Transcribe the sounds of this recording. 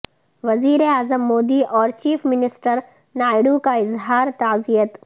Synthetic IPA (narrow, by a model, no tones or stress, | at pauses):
ʋɐziːɾeaːzəmːoːd̪iʔɔːɾt͡ʃiːfmɪnɪsʈəɾ | naːɪɽukaɪzɦaːɾt̪aːzijət̪